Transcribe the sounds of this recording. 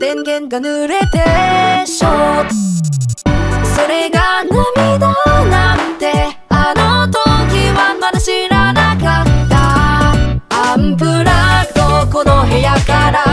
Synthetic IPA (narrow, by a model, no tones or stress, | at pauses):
tenɡenɡanɯɾet̪eɕo | soɾeɡanɯmid̪onamt̪e | anot̪oɡiwamanɕiɾanakat̪a | ampʰɯɾad̪okonoɦejak͈aɾa